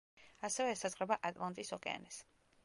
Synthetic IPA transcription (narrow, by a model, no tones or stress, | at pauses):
asɛvɛːsazʁɾɛbaʔat̪ʼlˠant̪ʼisɔkʼɛ̰a̰nɛs